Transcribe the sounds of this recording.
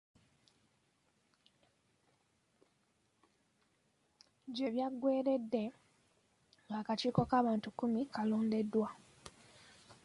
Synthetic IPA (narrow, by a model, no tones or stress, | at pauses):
ɟe̞βjaɡwe̞ːɾe̞dːe̞ | ŋɡaːkaciːko̞kaːβaːntukːumikalo̞ːnde̞dːwa